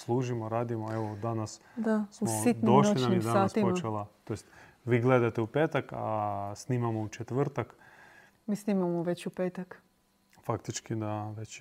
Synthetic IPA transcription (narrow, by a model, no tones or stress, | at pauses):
slˠuːʒimoɾaːd̪imoeʋod̪anas | d̪asumositd̪noʃloinamjɛd̪aaːspot͡ʃelˠat̪ojest̪ | ʋiːɡled̪at̪eupeːt̪akasniːmamout͡ʃet̪ʋ̩r̩t̪ak | miːsniːmamoʋet͡ɕupeːt̪ak | fakt̪it͡ʃkid̪aʋet͡ɕ